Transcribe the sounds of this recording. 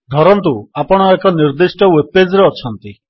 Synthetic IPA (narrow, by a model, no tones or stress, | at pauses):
ɡʱɔɾɔnt̪uapɔɽ̃ɔekɔniɾd̪isʈɔweped͡ʒɾeɔt͡ʃʰɔnt̪i